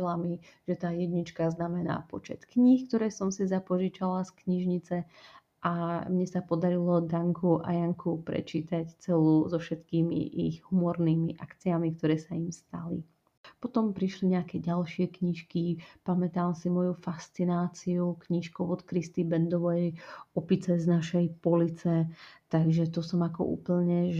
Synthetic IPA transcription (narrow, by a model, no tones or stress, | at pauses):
lamiʒ̥ɛt̪aːjɛd̪ɲit͡ʃkaznamɛna̰ːpɔt͡ʃɛ̰t̪kɲixkt̪ɔɾɛːsɔmsizapɔʒit͡ʃalaskɲiʒɲit͡sɛ | ʔamɲɛsapɔd̪aɾilɔd̪aŋkʰuʔa̰jaŋkʰupɾɛ̰t͡ʃiːt̪act͡sɛluːzɔfʃɛt̪kiːmḭʔḭɣhumɔɾniːmiʔa̰kt͡siamikt̪ɔɾɛːsaimst̪a̰lḭ | pɔt̪ɔmpɾiʃliɲɛakɛɟalʃɪɛkɲiʃkipamɛt̪aːmsimɔjufast͡sinaːt͡siukɲiʃkɔʊɔt̪kɾist̪ibɛnd̪ɔʋɛjɔpit͡sɛznaʃɛjpɔlit͡sɛt̪aɡʒɛt̪ɔsɔmakɔ̰ʔṵːpl̩ɲɛʒ